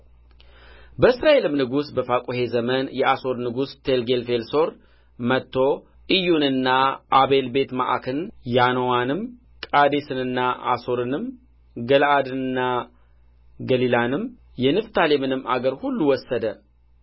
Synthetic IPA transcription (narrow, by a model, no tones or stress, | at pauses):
bəɨsɾae̞lɨmnɨɡusbəfakʼuhe̞zəmənjɛʔaso̞ɾnɨɡust̪ʰe̞lɡe̞lfe̞lso̞ɾ | mət̪ʰːo̞ | ʔɨjːunɨnːaʔaβe̞lbe̞t̪ma̰ʔa̰kʰɨnjanowanɨm | kʼad̪e̞sɨnɨnːaʔa̰so̞ɾɨnɨm | ɡəlʔad̪ɨnɨnːa | ɡəlilanɨm | jɛnɨft̪ʰalemɨnɨma̰ɡəɾhulːuwɔsːəd̪ə